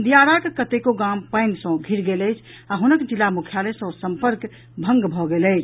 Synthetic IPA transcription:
d̪ijaɾakekət̪ekoɡampəɪnsə̃ɡʱiɾɡeləɪt͡ʃʰ | aɦunəkd͡ʒilamukʰjalesə̃səmpəɾk | bʱə̃ŋɡbʱɔɡeləɪt͡ʃʰ

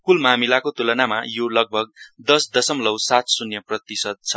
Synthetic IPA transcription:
kulmamilakot̪ulʌnamajolʌɡ̚bʱʌɡ̚d̪ʌsd̪ʌsʌmlʌwsat̪sunjʌprʌt̪isʌd̪̚t͡sʰʌ

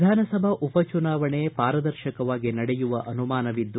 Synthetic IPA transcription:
d̪ʱaːnɐsɐbʱɐʔupɐt͡ʃunaːʋɐɳepaːɾɐd̪ɐɾʃɐkɐʋaːɡinɐɽɛjuʋɐʔɐnumaːnɐʋid̪ː

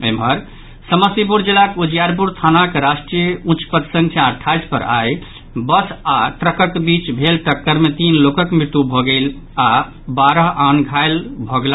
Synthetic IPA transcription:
əmbəɾ | səməsip̬uɾd͡ʒilakud͡ʒijaɾp̬uɾt̪ʰanakeɾasʈɾijeũt͡ʃʰpət̪sə̃ŋkʰjaʈʰajd͡ʒpə̰ɾa̰j | bəsaʈɾəkək̪bit͡ʃbʱelʈəkːəɾmet̪inlokəkmɾit̪ːubʱɔɡel | a | baɾəɦʔanɡʱajlbʱɔɡla

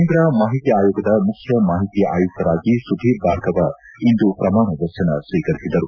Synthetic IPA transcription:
nd̪ɾamaːɦit̪jɐaːjuːɡɐd̪ɐmukʰjɐmaːɦit̪ijɐʔaːjut̪ːɐɾaːɡisud̪ʱibʱaːɾt̪ɐʋɐ | ind̪upɾɐmaːɳɐd̪ɐt͡ʃɐnɐsʋiːkɐɾisid̪ɐɾu

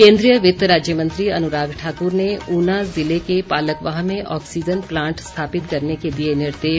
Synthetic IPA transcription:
kẽːnd̪ɾijəʋɪt̪ɾaːd͡ʒjəmɐ̃nt̪ɾiɐnʊɾaːɡʈʰaːkʊɾneuːnazɪlekepaːləkʋaːɦmẽʔɔ̰ːksiːd͡ʒənplãːɳʈst̪ʰaːpɪt̪kɐɾneked̪ienɪɾd̪eː

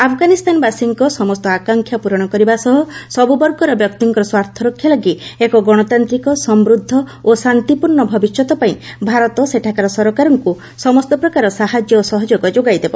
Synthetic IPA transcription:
apʰɔɡanist̪ʰanɔbasiŋkɔsɔmɔst̪ɔakaŋkʰjapuɾɔɽ̃ɔkɔɾibasɔɦɔsɔbubɔɾkɔɾɔbjɔkt̪iŋkɔɾɔswaɾt̪ʰɔɾokʰjalɔɡiekɔɡɔɽ̃ɔt̪ant̪ɾikɔsɔmɾud̪ʱːɔosant̪ipuɾɳɔbʱɔbisjɔt̪ɔpaĩbʱaɾɔt̪ɔseʈʰakaɾɔsɔɾɔkaɾɔŋku | sɔmɔst̪ɔpɾɔkaɾɔsaɦad͡ʒjɔosɔɦɔd͡ʒoɡɔd͡ʒoɡajd̪ebɔ

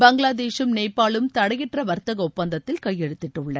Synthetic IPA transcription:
bɐŋɡɭaːðeːʃɯmneːpːaːɭɯmt̪ɐɽɐjɪʈrɐʋɐɾt̪ɐɣɐʊpːɐnd̪ɐt̪ːɪlkɐjːɛɽɯt̪ːɪʈːɯɭːɐ

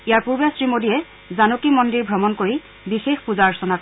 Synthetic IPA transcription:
ijaɹpuɹbjasɹimodijɛ | zanokimɔndiɹbʱɔmɔnkoɹi | bixexpuzaɹsɔnak

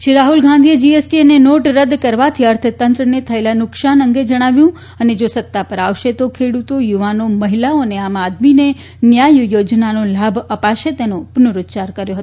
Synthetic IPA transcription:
ʃiɾaɦulɡʱãnd̪ʱied͡ʒiesʈienenoʈɾəd̪kəɾʋat̪ʰiəɾt̪ʰət̪ənt̪ɾənet̪ʰəelanʊkʃanəŋɡed͡ʒəɽ̃aʋjũ | əned͡ʒosət̪ːapəɾaʋʃet̪okʰeɽut̪ojuʋanoməɦilaoneamad̪mine | njajujod͡ʒnanolabʱəpaʃet̪enopənuɾʊt̪t͡ʃaɾkəɾjoɦət̪o

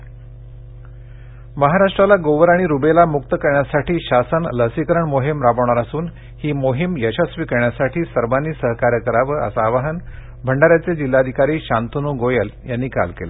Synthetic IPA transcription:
məɦaɾaʂʈɾalaɡoʋəɾaɽ̃iɾubelamukt̪əkəɾɳjasaʈiːɕasənləsikəɾəɳmoɦimɾaʋəʋɳ̃aɾasuːn | hiːmoɦimjəɕəsʋikəɾɳjasaʈʰiːsəɾʋanːiːsəɦkaɾjəkəɾaʋəə̰saːʋaɦən | bʱəɳɖaɾjat͡sed͡ʑilːad̪ʱikaɾiːɕant̪unuɡojəljanːiːka̰lkela̰

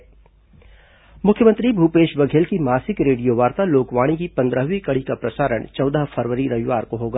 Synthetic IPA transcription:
mʊkʰjəmə̃nt̪ɾibʱuːpeːʃbɐɡʱeːlkimaːsɪkɾeːɽijoʋaːɾt̪aloːkʋaːɽ̃ikipɐ̃nd̪ɾəɦʋikɐɽikapɾɐsaːɾəɳ̃t͡ʃɔːd̪əɦfʰəɾʋəɾiɾɐʋɪʋaːɾkoɦoːɡaː

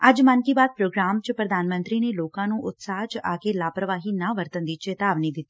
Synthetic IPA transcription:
əd͡ʒmənkiːbaːd̪̚pɾoːɡɾaːmt͡ʃpɾəd̪aːnmə̃nt̪ɾiːneːloːkãːnũːʔʊt̪saːɦt͡ʃaːkeːlaːpɾəʋaːɦiːnãːʋəɾt̪ənd̪iːt͡ʃeːt̪aːʋniːd̪ɪt̪ːiː

